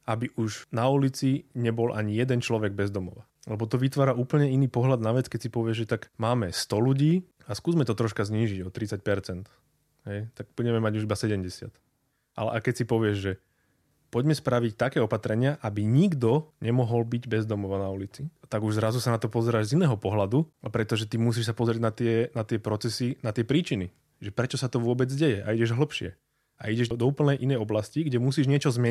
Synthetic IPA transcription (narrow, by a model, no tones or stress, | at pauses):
abiʔuʒnaulit͡siɲɛbɔlʔa̰ɲijɛd̪ɛnt͡ʃlɔʋɛɡ̚bɛzd̪ɔmɔʋa | lɛbɔt̪ɔʋit̪ʋaːɾauːpl̩ɲɛiniːpɔɦlad̪naʋɛt͡skɛcsipɔʋɪɛʒʒɛt̪aɡmaːmɛst̪ɔluɟiː | askuːzmɛt̪ɔt̪ɾɔʃkazɲiːʒiɟɔt̪ɾit͡sac̚pɛɾt͡sɛnt̪ | ɦɛjt̪aɡ̚b̥uɟɛmɛmaɟuʒibasɛɟɛmɟɛsɪa̰t̪ | ʔa̰lɛ̰ʔakɛcsipɔʋɪɛʒʒɛ | pɔɟmɛspɾaʋict̪akɛːɔpat̪ɾɛɲɪaʔabiɲiɡd̪ɔɲɛmɔɦɔlbiɟbɛzd̪ɔmɔʋanaulit͡sit̪aɡuʒzɾazusanat̪ɔpɔzɛɾaːʒzinɛːɦɔpɔɦlad̪upɾɛt̪ɔʒɛt̪imus̬iːʃsapɔzɾɪɛɟnat̪ɪɛnat̪ɪɛpɾɔtt͡sɛsinat̪ɪɛpɾiːt͡ʃini | ʒɛpɾɛt͡ʃɔsat̪ɔʋʊɔbɛd͡zɟɛjɛʔa̰iɟɛʒɦl̩pʃɪɛ | a̰iɟɛʒd̪ɔuːpl̩nɛjʔinɛjɔblasciɡɟɛmusiːʒɲɪɛt͡ʃɔzmɪɛ